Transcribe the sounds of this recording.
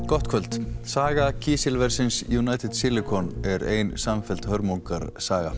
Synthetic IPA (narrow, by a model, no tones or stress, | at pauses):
kɔht̪kʰvœlt̪saːɣacʰiːsɪlvɛɾ̥sɪnsjunaːjt̪ʰɪd̪sɪlɪkʰɔnɛɾeːjnsaɱfɛlt̪hœɾmoŋkaɾsaːɣa̰